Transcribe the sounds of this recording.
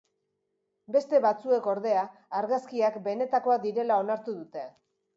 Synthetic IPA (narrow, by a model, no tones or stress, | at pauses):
be̞st̪e̞βat͡sue̞ko̞ɾð̞e̞aːɾɣaskiakbe̞ne̞t̪ako̞ad̪iɾe̞lao̞naɾt̪uðut̪e̞